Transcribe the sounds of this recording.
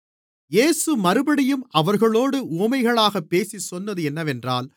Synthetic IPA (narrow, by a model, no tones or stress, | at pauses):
jeːsɯmɐɾɯbɐɽɪjɯmʔɐʋɐɾɣɐɭoːɽɯuːmɐɪɣɐɭaːɣɐpːeːsisɔnːɐðɯɛnːɐʋɛndra̰ːl